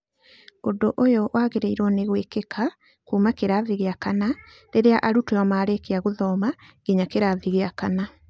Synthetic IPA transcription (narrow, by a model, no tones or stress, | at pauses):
odoʔojowaːɣeɾeiɾwɔneɣwekekʰa | kuːmakeɾaðiɣeakana | ɾeɾeaʔaɾutoɔmaːɾekeaɣoðɔːmaɡ̥iɲakeɾaðiɣeakana